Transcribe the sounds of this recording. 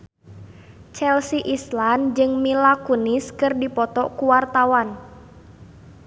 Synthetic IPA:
t͡ʃɛlsiʔisland͡ʒɨŋmilakuniskɨrdipɔt̪ɔʔkuwart̪awan

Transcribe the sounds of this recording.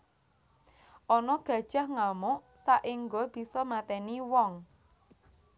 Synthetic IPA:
ʔɔnɔɡ̥ä̤d̥ʒ̥a̤hŋamʊʔ | saʔiŋɡob̥i̤sɔmat̪ɛniwɔŋ

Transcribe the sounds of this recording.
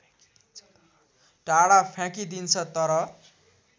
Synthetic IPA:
ʈaɽapʰjãkid̪int͡sʰʌt̪ʌɾʌ

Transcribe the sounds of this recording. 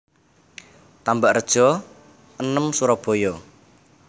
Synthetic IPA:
t̪ambaʔrəd̥ʒ̥ɔ̤ | ənəmsuɾɔb̥ojɔ

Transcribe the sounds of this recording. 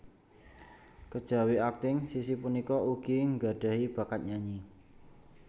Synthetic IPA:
kəd̥ʒ̥a̤wiak̚t̪ɪŋsisipunikɔuɡ̥iŋɡa̤ɖ̥a̤hib̥a̤kat̪̚ɲaɲi

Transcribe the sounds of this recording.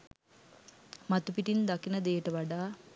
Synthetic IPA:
mat̪upiʈind̪akinəd̪eːʈəʋaɖaː

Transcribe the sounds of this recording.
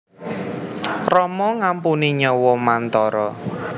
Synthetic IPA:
rɔmɔŋampuniɲɔwɔmant̪ɔɾɔ

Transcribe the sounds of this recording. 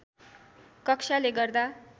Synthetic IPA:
kʌksaleɡʌrd̪a

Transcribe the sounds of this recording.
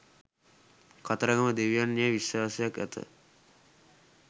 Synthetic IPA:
kat̪əɾəɡəməd̪eʋijanːeəʋiswaːsejakɛ̰t̪ə̰

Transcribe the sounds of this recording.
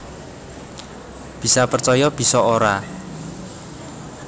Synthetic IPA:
b̥i̤sapərt͡ʃɔjɔb̥i̤sɔoɾa

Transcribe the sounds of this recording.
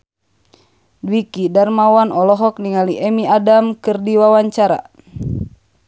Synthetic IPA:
dwikidarmawanɔlɔɦɔk̚niŋaliʔɛmiadamkɨrdiwawaɲt͡ʃaɾa̰

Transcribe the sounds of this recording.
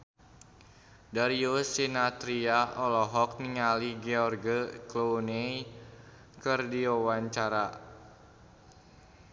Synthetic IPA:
daɾiosinat̪ɾiaʔɔlɔɦɔk̚niŋaliɡɛɔrɡəklone | kərdiɔwaɲt͡ʃaɾa

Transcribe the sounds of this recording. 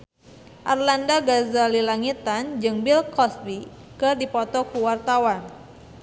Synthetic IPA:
ʔarlandaɡazalilaŋit̪and͡ʒɨŋbilkɔsbi | kɨdipɔt̪ɔkuwart̪awan

